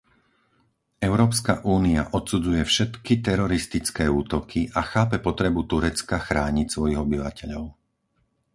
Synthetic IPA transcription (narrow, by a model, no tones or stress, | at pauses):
ɛʊɾɔːpska̰ʔuːniaʔɔt̪sud͡zujɛfʃɛt̪kit̪ɛɾɔɾist̪it͡skɛːuːt̪ɔkʰiʔaxaːpɛpɔt̪ɾɛbut̪uɾɛt͡skaxɾaːɲicsʋɔjiɣɔbiʋacɛʎɔʊ